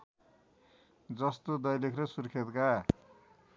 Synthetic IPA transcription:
d͡zʌst̪od̪ʌjlikʰrʌsurkʰet̪ka

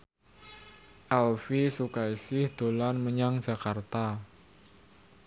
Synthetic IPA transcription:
ʔalfisukaisɪhd̪̥o̤lanməɲaŋ̥d͡ʒ̥a̤kart̪a

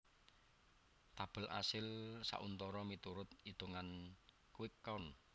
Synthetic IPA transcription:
t̪ab̥ə̤lʔa̰sɪlsa̰ʔunt̪ɔɾɔmit̪uɾʊt̪̚it̪uŋan | kuwɪkːɔn

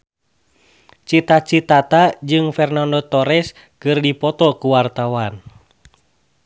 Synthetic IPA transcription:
t͡ʃit̪at͡ʃit̪at̪ad͡ʒɨŋfɛrnandɔt̪ɔɾɛs | kɨrdipɔt̪ɔkuwart̪awan

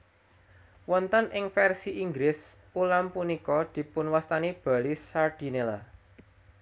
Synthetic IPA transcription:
wɔnt̪ənʔɪŋfɛrsiʔiŋɡɾɪs | ulampunikɔd̪̥i̤pʊnwast̪anib̥a̤lisard̪̥i̤nela

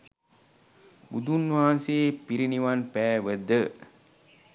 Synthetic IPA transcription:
bṵd̪unʋaanseːpiɾiniʋanpæːʋəd̪ə

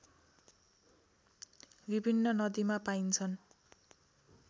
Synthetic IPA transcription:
bibʱinːʌnʌd̪imapaint͡sʰʌn

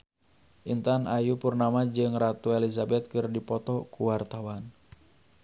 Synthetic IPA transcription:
ʔint̪anʔajupurnamad͡ʒɨŋrat̪uɛlizabɛt̪̚kɨrdipɔt̪ɔkuwart̪awan

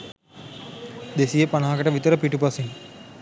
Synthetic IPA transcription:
d̪esijəpanaɦakəʈəʋit̪əɾəpiʈupasiŋ

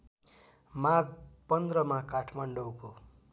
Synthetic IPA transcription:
maɡpʌnd̪ɾʌmakaʈʰmaɳɖʌwko

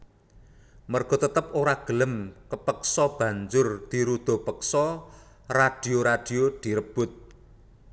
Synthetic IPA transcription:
mərɡ̥ɔ̤t̪ət̪əp̚oɾaɡ̥ələmkəpəksɔb̥ä̤ɲd͡ʒʊrd̪̥i̤ɾud̪̥o̤pəksɔ | rad̪̥i̤oɾad̥i̤od̪̥i̤ɾəb̥ʊt̪̚

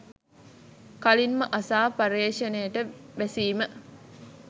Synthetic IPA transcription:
kalinməʔasaːpɐɾeːʂɐnejəʈəʋæsiːmə

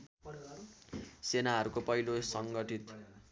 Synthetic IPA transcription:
senaɦʌɾukopʌilosʌŋɡʌʈit̪

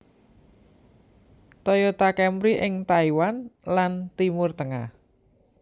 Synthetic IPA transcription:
t̪ɔjot̪akɛmɾiʔɪŋt̪aiwanlant̪imʊrt̪əŋa̰h

